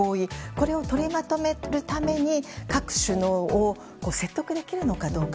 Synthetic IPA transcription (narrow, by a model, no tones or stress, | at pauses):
oːiko̞ɾe̞o̞t̪o̞ɾʲimat̪o̞me̞ɾɯ̟t̪ame̞ɲ̟ikakɯ̟̥ɕɨnoːo | ko̞ːse̞t̪ːo̞kɯ̟d̪e̞kʲiɾɯ̟no̞kad̪o̞ːka